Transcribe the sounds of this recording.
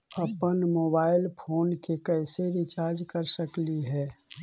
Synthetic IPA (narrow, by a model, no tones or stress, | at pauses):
ɐpənmoːbaːɪlpʰoːnkekɛːseɾɪt͡ʃaːɾd͡ʒkəɾsəkliɦɛː